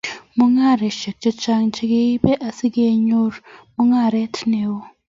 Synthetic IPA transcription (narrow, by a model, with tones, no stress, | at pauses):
mu˦ŋa˦˨ɾe˨ʃe˨k̚t͡ʃe˦t͡ʃa˦ŋt͡ʃi˦ɡe˦i˦be˦ʔa˨si˦ɡe˦ɲo˦ɾmu˦ŋa˦˨ɾe˦tʰne˨wo˦